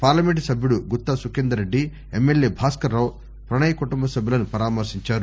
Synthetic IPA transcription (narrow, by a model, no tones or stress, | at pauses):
paːɾlɐmeɳʈsɐbʱjuɽuɡut̪ːasukend̪ɐɾeɖːi | emːeljeːbʱaːskɐɾɐw | pɾɐɳɐjɐkuʈumbɐsɐbʱjulɐnupɐɾaːmɐɾsiɲt͡ʃaːɾu